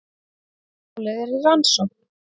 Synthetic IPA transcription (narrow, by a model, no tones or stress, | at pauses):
lɛðɛɾiransɔ